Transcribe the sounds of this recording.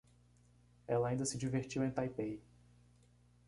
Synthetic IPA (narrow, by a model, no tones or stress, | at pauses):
ɛlɐaĩnd̪ɐsɪd͡ʒiveɾt͡ʃiwẽj̃t̪ajpej